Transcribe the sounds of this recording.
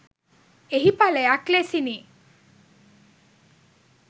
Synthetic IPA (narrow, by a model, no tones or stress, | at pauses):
eɦipaleaklesini